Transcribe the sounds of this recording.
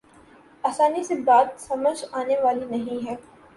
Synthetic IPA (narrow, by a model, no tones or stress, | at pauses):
aːsaːnisebaːt̪sɐməd͡ʒaːneʋaːlinɐɦĩɦɛː